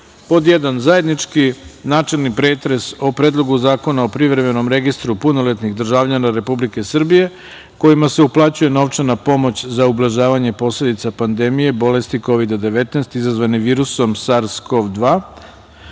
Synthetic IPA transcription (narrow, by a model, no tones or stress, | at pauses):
po̞d̪jed̪anzaje̞d̪nit͡ʂkinaːt͡ʃe̞lˠnipɾe̞ːt̪ɾe̞so̞pɾeːd̪lˠo̞ɡuzaːko̞naopɾiʋɾe̞me̞no̞mɾe̞ɡist̪ɾupuno̞let̪niɣd̪r̩ʒaːʋʎanaɾe̞publike̞sr̩bije̞ | ko̞imase̞uplˠaːt͡ɕuje̞no̞ʋt͡ʂenapo̞mo̞t͡ɕzaublˠaʒaːʋaɲe̞po̞sle̞d̪it̪sapand̪e̞mije̞bo̞le̞st̪iko̞ʋid̪ad̪e̞ʋe̞t̪neːst̪izazʋaniʋiːɾuso̞msaɾsko̞ʋd̪ʋaː